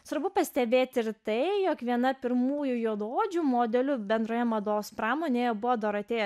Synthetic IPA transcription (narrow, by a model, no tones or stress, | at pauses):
sʋɐɾbʊpɐsʲt̪ʲɛbʲeːt̪ʲɪɾt̪ɐɪjoːkʋʲiɛnɐpʲɪɾmuːjʊjuɔd̪oːd͡ʒʲʊmoːd̪ʲɛlʲʊbʲɛnd̪ɾoːjɛmɐd̪oːʋospɾɑːmoːnʲeːjɛbʊʋoːd̪ɐɾɐt̪ʲeːjɛ